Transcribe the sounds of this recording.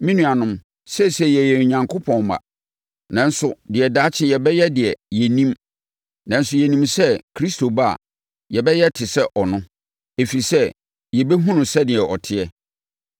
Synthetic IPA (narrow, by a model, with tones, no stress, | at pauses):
mĩ˦nũ˨a˨nʊ̃˦m | sɛ˦sɛ˦jɛ˨jɛ˨ɲã˨ŋkʰo˦pʰɔ̃˨n˨ma̰˨ | nã˨n̩˦sʊ˨dɪ˨ɛ˨daː˦t͡ɕʰɪ̃˦jɛ˨bɛ˦jɛ˦dɪ˨ɛ˨jɛ˨nĩ˦m | nã˨n̩˦sʊ˦jɛ˨nĩ˦msɛ˦kʰɾi˦sto˨ba˦a̰˨ | jɛ˨bɛ˦jɛ˦tʰɪ˨sɛ˦ʔɔ˨nʊ̃˦ | e˨fi˨i˨sɛ˦ | jɛ˨be˦ɦũ˦nʊ̃˨sɛ˦dɪ˨ɛ˨ʔɔ˨tʰɪ˦ɛ˦